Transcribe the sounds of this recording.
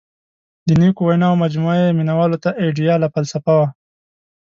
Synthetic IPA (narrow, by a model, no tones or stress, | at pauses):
d̪ənikowajnɑwmad͡ʒmeminawɑlot̪aʔeɖijalapalsapawa